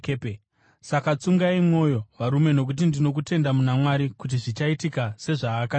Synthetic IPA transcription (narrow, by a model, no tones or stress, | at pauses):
pe | sakat͡suŋɡaimwo̞jo̞ʋaɾume̞no̞k̬ut̬indino̞kute̞ndamunamwaɾikut̬iʐit͡ʃaitikase̞ʐaːka